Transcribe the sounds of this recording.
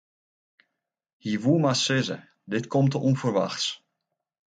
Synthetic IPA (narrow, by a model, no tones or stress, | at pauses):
hiʋuəmasɪzə̰ | dɪtkʰomtəʔunfərʋa̰xs